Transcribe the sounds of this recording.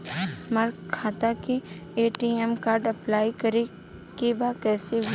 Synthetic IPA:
maɾkʰaːt̪akieːʈiɛmkaːɾɖɐplaːikɐɾe | kebakɛːse

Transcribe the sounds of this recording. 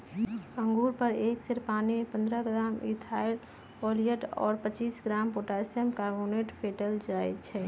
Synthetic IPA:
ə̃ŋɡuɾpəɾekseɾpaːnipə̃nd̪ɾəɡɾamḭt̪ʰail | olijəʈɔ̰ːɾpət͡ʃiːsɡɾampoʈasəmkaɾboneʈpʰeʈəld͡ʒaɛt̪t͡ʃʰɛ

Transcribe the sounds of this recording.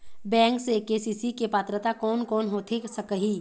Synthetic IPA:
bɛ̃ːŋksekeːsiːsikepaːt̪ɾət̪akɔːnkɔːnɦoːt̪ʰesəkəɦiː

